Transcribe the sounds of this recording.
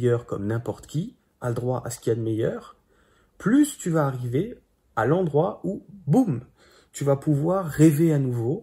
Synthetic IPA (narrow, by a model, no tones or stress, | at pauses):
jœʁkɔ̰mnɛ̃pɔʁt̪ə̥kʲi | aləd̪ʁwaʔasə̥kʲiad̪əmɛjœːʁ | plyst̪yvaːʁive | alɑ̃d̪ʁwaubum | t̪yvapuvwaʁːeveanuvo